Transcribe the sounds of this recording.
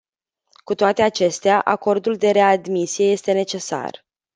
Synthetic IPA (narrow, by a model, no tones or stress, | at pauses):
kut̪oat̪e̞at͡ʃe̞st̪eaʔako̞rd̪uld̪e̞ɾe̞ad̪misije̞je̞st̪e̞ne̞t͡ʃe̞sa̰r